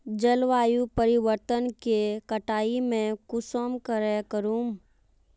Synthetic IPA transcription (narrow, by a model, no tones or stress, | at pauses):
d͡ʒəlʋaːjupəɾɪʋəɾt̪ənkekəʈaːimẽkʊsəmkəɾɛkəɾuːm